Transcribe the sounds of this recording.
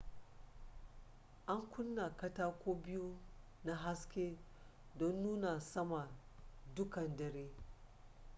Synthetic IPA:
ʔa˦ŋkʷʊ˦nːa˨kɐ˦taː˦kʷoː˦bɪ˦ju˦ | na˦ɦa˦skʲeː˦ | dɔ˦nːuː˦na˨sɐ˦ma˨ | dʊ˦kɐ˨ndɐ˨ɾeː˦

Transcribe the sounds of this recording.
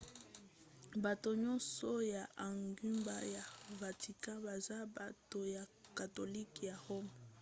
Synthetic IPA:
ba˨to˨ɲɔ̃˦nsɔ˦ja˨ʔa˨ŋɡy˦mba˦ja˨va˨ti˨kã˦ba˨za˦ba˨to˨ja˨ka˨to˨li˦kja˨ho˦m˨

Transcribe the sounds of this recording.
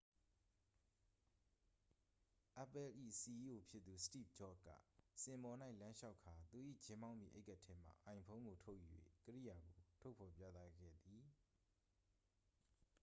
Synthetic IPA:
ʔa˨pɛ˦˨lʔḭ˦˨si˨i˦ʔo˨pʰjɪ˦t̪̚ːu˨sə̥tḭ˦˨p̚d͡ʒɔ˦kːä̰˦˨sɪ̃˨mbɔ˨na˦ɪʔlã˦nʃa˦ʊkʰa˨t̪u˨ʔḭ˦˨t͡ɕɪ̃˦mbã˦ʊ̃mjḭ˦˨ʔe˦ɪka˦ʔtʰɛ˦m̥a̰˨ʔã˨ɪ̃pʰõ˦ŋɡo˨tʰo˦ʊʔju˨jwḛ˦˨kəɹḭ˦˨ja˨ɡo˨tʰo˦ʊpʰɔ˨pja̰˦˨t̪a˦ɡɛ̰˦˨d̪i˨

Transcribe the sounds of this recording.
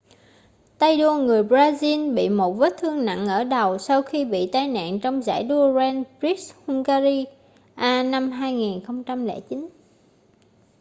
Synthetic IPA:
t̪a˧jɗu˧əŋɨ˨˩əjbzaː˧zi˧nɓḭ˧˨mo˨˩t̚vəː˦˥t̚t̪ʰɨ˧əŋna̰˧˨ŋʔəː˧˩ɗə˨˩wsa˧wxi˧ɓḭ˧˨t̪aː˧jna̰ː˧˨nt͡ɕɔ˧wŋ͡mza̰ː˧˩jɗu˧zɛ˧npɹi˦˥hu˧ŋkaː˧zi˧ | ʔaː˧na˧mɦaː˧jŋi˨˩nxə˧wŋ͡mt͡ɕa˧mlɛ̰˧˩˥t͡ɕi˨˦n

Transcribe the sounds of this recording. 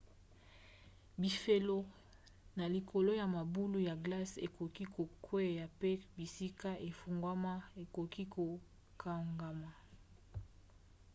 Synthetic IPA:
bi˨fe˨lo˦ | na˨li˨kʰo˨lo˦ja˨ma˨bu˦lu˦ja˨ɡla˦se˨ko˨ki˦ko˨kʰwe˦˨ja˨pe˦bi˨si˦ka˦ʔe˨fu˨ŋɡwa˦ma˦e˨ko˨ki˦ko˨ | kʰa˨ŋɡa˨ma˨

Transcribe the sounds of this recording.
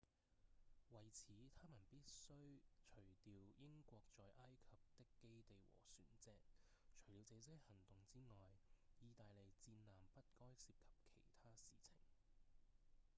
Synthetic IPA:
wɐ˨˩jt͡sʰiː˨˥t̪ʰaː˥mɐ˨˩npiː˥t̚sɵ˥ɥt͡ʃʰɵ˨˩ɥt̪iː˨˧wjɪ˥ŋkʷɔː˧k̚t͡ʃɔː˨˧jʔaː˥jkʰɐ˨p̚t̪ɪ˥kːe˥jt̪e˨jwɔ̰ː˨˩syː˨˩nt͡sɛː˧k̚ | t͡ʃʰɵ˨˩ɥt̪iː˨˧wt͡sɛː˨˧sɛː˥hɐ˨˩ŋt̪ʊ˨ŋt͡siː˥ŋɔː˨jjiː˨˧t̪aː˨jle˨˩jt͡siː˧nlaː˨˩mpɐ˥t̚kɔː˥jsiː˧p̚kʰɐ̥˨p̚kʰe˨˩jt̪ʰaː˥siː˨t͡sʰɪ̰˨˩ŋ

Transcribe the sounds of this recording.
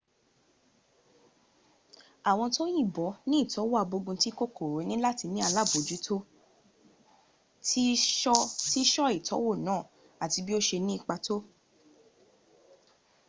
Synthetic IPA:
a˨w̃ɔ̃˧to˦jĩ˦˨bɔ˨˦nĩ˦i˦˨tɔ˨˦wo˦a˨˧˨bo˧ɡũ˧ti˦ko˦ko˨ɾo˨˦nĩ˦la˦ti˧nĩ˦a˧la˦˨bo˨d͡ʒu˨˦tʰo˦ | ti˦ɔ˦ti˦ʃɔ˦i˦˨tʰɔ˨˦wo˦˨nãː˦˨ | a˨ti˧bi˦o˦ʃe˧nĩ˦i˦˨k͡pa˧to˦

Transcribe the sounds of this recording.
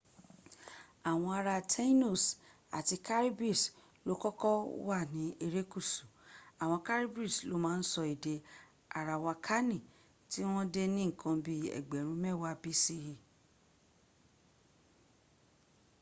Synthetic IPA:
a˨w̃ɔ̃˧a˧ɾa˧tʰe˦i˦no˦˨s | a̰˨ti˧ka˦ɾi˦bi˦˨s | lo˦kɔ˦kɔ˦wa˦˨nĩ˨˦ʔe˧ɾe˦ku˦˨su˨a˨w̃ɔ̃˧ka˦ɾi˦bi˦˨slo˨˦mãː˦n̩˦sɔ˧i˨de˧ | a˨ɾa˨wa˧kʰa˦nĩ˦˨ | ti˦w̃ɔ̃˦de˦nĩ˦ŋ̩˨kʰã˧bi˦ɛ̰˨ɡ͡bɛ˨ɾ̃ũ˧˦mɛ˦˨wa˦bi˦si˦ɾi˨

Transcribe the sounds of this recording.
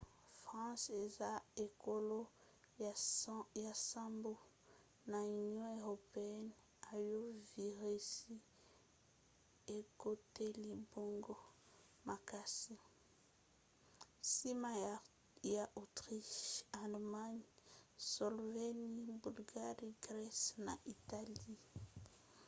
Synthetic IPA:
fʁɑ̃˦se˨za˦e˨ko˦lo˦ | ja˨sã˦mbo˦ | na˨y˨njɔ̃˦e˨ʁo˨pe˨ɛ˦n | a˨jo˦vi˨ʁi˦si˦ | e˨ko˦te˦li˨bo˦ŋɡo˦ | ma˨ka˨si˦ | si˦ma˦ | ja˨ʔo˨tʁi˦ʃa˨lma˦ɲsɔ˨lveni˦bu˨lɡa˦ʁi˦ɡʁɛ˦sna̰˨ʔi˨ta˨li˦

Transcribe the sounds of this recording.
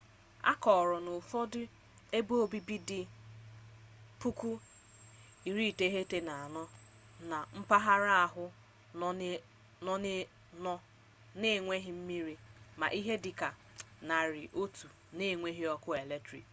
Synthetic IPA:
a̰˦kɔ˨ɾɔ˨nʊ˨fɔ˦dɪ˦ | e˦bo˦bi˦bi˦dɪ˨ | pu˦ku˦ | i˨ɾi˦˨te˦ɦe˦te˦na˨a˨nɔ˦ | na˨m̩˦pa˦ɦa˦ɾa˦a˨ɦʊ˦ | nɔ˦ | nɔ˦ | ne˦˨ŋʷe˦ɦɪ˨m̩˦mi˦ɾi˦ma̰˨ʔi˦ɦe˦dɪ˨ka˨ | na˨ɾɪ˨ʔo˦tu˨ | ne˦˨ŋʷe˦ɦi˦ɔ˦kʊ˦e˨le˦tɾḭ˨

